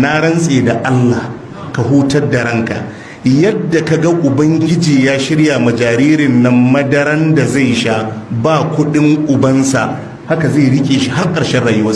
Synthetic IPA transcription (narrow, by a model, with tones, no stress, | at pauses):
na˦ɽɐ˦nsʼeː˨da˨ʔa˦lːaː˨h | ka˨ɦuː˦tɐ˦rda˨ɽɐ˦ŋka̰˨ | jɐ˦dːa˨ka˨ɡa˦ʔʊ˨bɐ˦ŋɡʲɪ˦d͡ʒiː˨jaː˦ʃɪ˦ɽja˨mɐ˨d͡ʒaː˨ɾiː˦ɾɪ˨nːɐ˦mːɐ˦dɐ˦ɾɐ˦nda˨za˦˨jʃaː˦baː˦˨kʷʊ˦ɗɪ˦ŋʔʊ˨bɐ˦nsa̰˨ʔ | ha˦ka˨za˦˨ɽɪ˦kʲʼeː˨ʃi˦ha˦rkʼɐ˨ɾʃɛ˦nɽaː˨jʊ˦wɐ˦